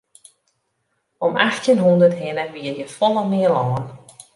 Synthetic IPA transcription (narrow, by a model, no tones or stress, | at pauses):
ɔmaxtənɦundərthɪnəʋiːərjəfɔləmɪəlɔːən